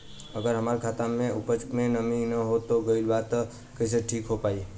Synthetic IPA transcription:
əɡəɾɦəmaːɾkʰaːt̪amẽʊpət͡ʃkmẽnəminəɦot̪oɡəɪlbaːt̪ | kəɪs̬eʈʰiːkɦopaːi

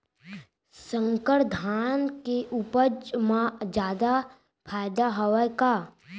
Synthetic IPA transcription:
sə̃ŋkəɾd̪ʱaːnkeʔupəd͡ʒmãd͡ʒaːd̪a | pʰaːjd̪aɦɔwjka

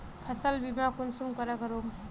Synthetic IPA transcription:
pʰəsəlbimakunsumkʌɾakəɾom

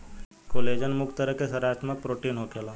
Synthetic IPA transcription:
koːleːd͡ʒənmʊkt̪əɾəkesɐɾaːt̪mək̚pɾoːʈiːnɦoːkelaː

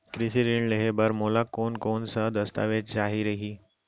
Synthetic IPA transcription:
kɾɪsiɾɪɳleɦebɐɾmoːlakoːnkoːnsad̪ɐst̪a̰ːʋeːd͡ʒd͡ʒaːɦiɾɐɦiː

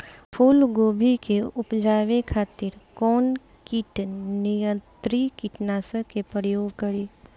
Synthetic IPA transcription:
pʰuːlɡoːbʱikeʊpd͡ʒaːʋekʰaːt̪ɪɾkɔːn | kiʈnɪjə̃nt̪ɾikiʈnaːsə̃kepɾəjoːɡkəɾiː

